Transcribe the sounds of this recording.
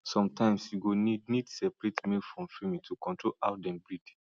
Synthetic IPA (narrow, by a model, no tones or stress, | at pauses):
sɔ̃mtʰãɪ̃msjuɡonidnidsɛpɹetmilfɹɔ̃mfimĩtʰukɔ̃ntɹolʔaʊtdɛ̃mbɹidi